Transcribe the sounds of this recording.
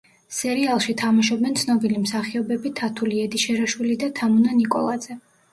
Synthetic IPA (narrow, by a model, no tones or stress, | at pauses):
sɛɾialˠʃit̪ʰamaʃɔbɛnt̪sʰnɔbilimsaχiɔbɛbit̪ʰat̪ʰuliɛd̪iʃɛɾaʃwilid̪at̪ʰamunanikʼɔ̰lˠad̪z̥ɛ